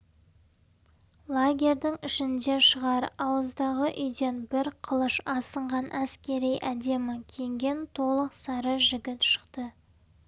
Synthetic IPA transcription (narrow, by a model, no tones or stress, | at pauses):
lˠaɡʲe̞ɾd̪ɪŋɪʃɪnd̪e̞ʃəʁɑɾɑwəzd̪ɑʁəʔʏjd̪e̞nbɪɾqʰəlˠəʃɑsəɴʁɑnʔæskʲe̞ɾijʔæd̪e̞mɪkʲʰeŋɡʲe̞nt̪ʰo̞lˠəqsɑɾəʒɪɡʲɪt̪ʃə̥qt̪ə